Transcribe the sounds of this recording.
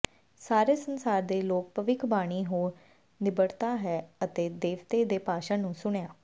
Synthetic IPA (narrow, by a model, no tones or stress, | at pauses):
saːɾeːsənsaːɾd̪eːloːk̚pəʋɪkʰbaːɽ̃iːɦoːɾ | nɪbəɽt̪aːɦɛːət̪eːd̪eːʋt̪eːd̪eːpaːʃãːnũːsʊɳjaː